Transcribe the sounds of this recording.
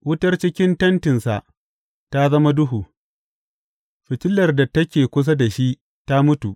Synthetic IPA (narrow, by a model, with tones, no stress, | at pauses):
wʊ˦tɐ˦rt͡ʃɪ˦kʲɪ˦ntɐ˦ntɪ˨nsa̰˨ʔ | ta˦zɐ˦ma˦dʊ˦ɦuː˨ | ɸɪ˨tɪ˦lːɐ˨rda˨tɐ˦kʲeː˨kʷʊ˦s̬a˦da˨ʃi˦ʔ | ta˦mʊ˦tu˨ʔ